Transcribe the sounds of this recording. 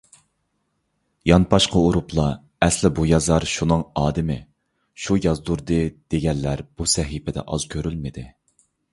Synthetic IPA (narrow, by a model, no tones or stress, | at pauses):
jɑnpʰɑʃqʰəuɾuplˠɑ | ɛslɪbujɑzɑɾʃunɨŋɑːd̪ɪmɪ | ʃujɑzd̪uɾd̪ɨd̪̥eɡʲɛnlːæɾb̥usɛɦipʰɛd̪ɛ̰ʔɑz̥kʲʰøɾylmɪd̪ɪ